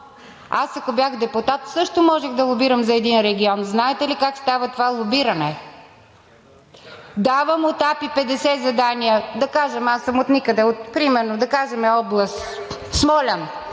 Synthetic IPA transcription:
asɐkobʲjaxd̪ɛpʊt̪at̪sɤʃt̪omɔʒɛxd̪ɐlˠobiɾəmzɐɛd̪inɾɛɡʲiɔnznaɛt̪ɛlikakst̪avɐt̪ovalˠobiɾɐnɛ | d̪avəmot̪apipɛd̪ɛsɛzɐd̪anijəd̪ɐkaʒɐmasəmot̪nikəd̪ɛot̪pɾimɛɾnod̪ɐkaʒɛmɛɔblˠɐst̪ | smɔlʲɐn

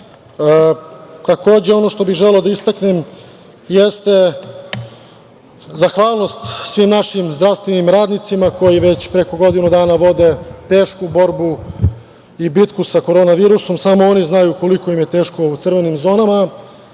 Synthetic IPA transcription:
t̪ako̞ːd͡ʑe̞o̞no̞ʃt̪o̞biɣʒeleod̪aist̪aknem | jest̪e̞ | zaxʋaːlˠno̞st̪sʋimnaʃimzd̪ɾaʋst̪ʋenimɾaːd̪nit̪simako̞jiʋe̞t͡ɕpɾe̞ko̞ɡo̞d̪inud̪aːnaʋo̞d̪e̞t̪e̞ːʃkubo̞ɾbu | ibit̪kusako̞ɾoːnaʋiːɾuso̞msamooniznajuko̞liko̞imje̞t̪e̞ːʃko̞ut̪sr̩ʋe̞nimzo̞ːnama

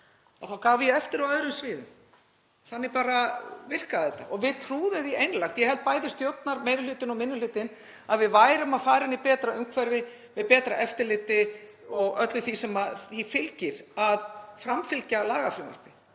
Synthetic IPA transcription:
ɔ̰θawkaːvɪjɛɛft̪ɪɾɔwœðɾʏmsvɪːðʏm | θanːɪɾpaːɾavɪr̥kaθɛt̪ːa̰ʔɔɣvɪðt̪ʰɾuːðʏðiejnlajxt̪jɛhɛlt̪̚paːjðʏst̪jowt̪naɾmejɾʏlʏːt̪ɪnɔmɪnːʏlʏːt̪ɪn | aðvɪðvaːjɾʏmaðfaːɾɪnipɛːt̪ɾaʏmkʰvɛɾvɪ | vɪðpɛːt̪ɾaʔɛft̪ɪɾlɪːt̪ɪɔɣœt̪lʏθisɛmaθifɪlcɪɾ̥aðfɾamfɪlcalaːɣafɾɪma̰r̥pɪ

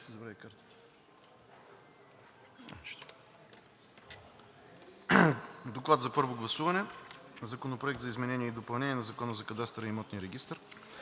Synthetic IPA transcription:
sɛzɐbɾavʲikaɾt̪ə̥ | ʃt̪ | d̪oklˠat̪zɐpɤɾvoɡlˠɐsuvɐnɛzɐkonopɾoɛkt̪zɐizmɛnɛniɛid̪opɐlˠnɛniɛnɐzɐkɔnəzɐkɐd̪ast̪ɾəimɔt̪niɾɛɡʲist̪əɾ

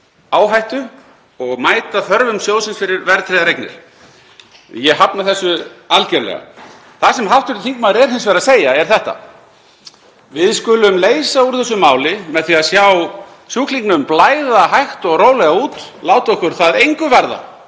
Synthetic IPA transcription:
aːwɦajht̪ʏ | ɔɣmaːjt̪aθœɾvʏmsjoːwsɪnsfɪɾɪɾvɛɾt̪ʰɾejðaɾejknɪ̰ɾ̥ | jɛɦapnaθɛsːʏalcɛɾlɛ̰ɣa̰ | θasɛmɦaw̥t̪ʏɾt̪θiŋkmaɾɛɾ̥hɪnsvɛɾaðseːjaɛɾ̥θɛht̪a̰ | vɪðskʏlʏmleːjsauɾ̥θɛsːʏmaːwlɪmɛðθiaðsjaw | sjuːkʰliŋknʏmplaːjðaɦajxt̪ɔɣroːwlɛɣauːt̪laːwt̪ɔhkʏɾ̥θaðejŋkʏvaɾða̰

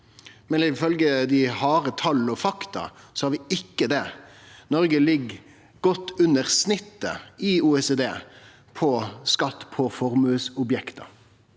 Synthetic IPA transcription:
mɛnɪfœlɡəd̪ɪhɑːɾət̪ʰɑlːɔfɑkt̪ɑ̰sɔhɑɾʋɪɪkːəd̪ɛ | nɔɾɡəlɪɡː | ɡɔt̪ːʉnːəɾsnɪt̪ːə̰ɪuːɛseːd̪eː | pʰɔskɑt̪ːpʰɔfɔɾmʉːsʊbjɛkt̪ʰɑ̰

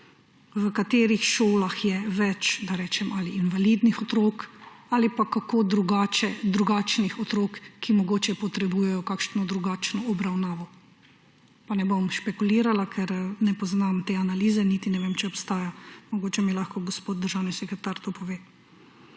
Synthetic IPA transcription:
ʋəkat̪eːɾixʃoːlaxjɛʋɛt͡ʃd̪aɾɛːt͡ʃɛmʔaliːnʋaliːd̪nixɔt̪ɾoːkaːlipakakoːd̪ɾuɡaːt͡ʃɛd̪ɾuɡaːt͡ʃnixɔt̪ɾoːkːimɔɡoːt͡ʃɛpɔt̪ɾɛbuːjɛjɔkakʃnɔd̪ɾuɡaːt͡ʃnɔɔbɾawnaːʋɔ | panɛbomʃpɛkuliːɾalakʰɛɾnɛpɔznamt̪eːanaliːzɛnit̪inɛʋeːmt͡ʃɛɔpst̪aːjamɔɡoːt͡ʃɛmilaxkɔɡɔspoːt̪̚d̪əɾʒawnisɛkɾɛt̪aɾt̪opɔʋeː

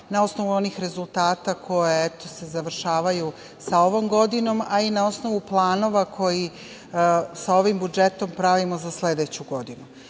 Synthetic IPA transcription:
nao̞sno̞ʋuo̞niːxɾe̞zulˠt̪aːt̪akʰo̞jeet̪o̞se̞zaʋr̩ʃaːʋaju | sao̞ʋo̞mɡo̞d̪ino̞mainao̞sno̞ʋuplˠaːno̞ʋakʰo̞ji | sao̞ʋimbud͡ʒe̞t̪o̞mpɾaʋimo̞zasle̞d̪et͡ɕuɡo̞d̪inu

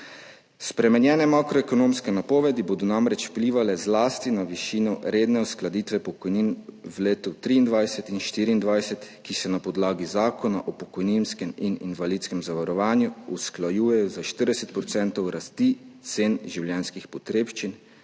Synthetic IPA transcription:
spɾɛmɛnjɛːnɛmakɾɔɛkɔnoːmskɛnapɔːʋɛd̪iboːd̪ɔnamɾɛt͡ʃwpliːʋalɛzlast̪inaʋiʃiːnɔɾeːd̪nɛusklad̪iːt̪ʋɛpɔkɔjninwleːt̪ut̪ɾiːnd̪ʋajsɛt̪inʃt̪iɾiːnd̪ʋajsɛt̪kisɛnapɔd̪laːɡizaːkɔnaʔɔpɔkɔjninskɛminḭnʋalit̪skɛmzaʋaɾɔʋaːnjuusklajuːjɛjɔzaʃt̪əɾd̪ɛsɛt̪̚pɾɔt̪sɛnt̪ɔwɾast̪it̪senʒiwljɛnskixpɔt̪ɾeːpʃt͡ʃin

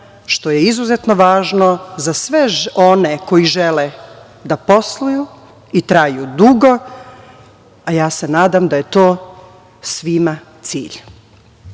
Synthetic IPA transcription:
ʃt̪o̞jeizuzet̪noʋaːʒnozasʋeo̞neko̞iʒele | d̪apo̞slˠuju | it̪ɾaːjud̪uɡo̞ | ajaːse̞naːd̪amd̪ajet̪o̞ː | sʋima | t̪sḭːʎ

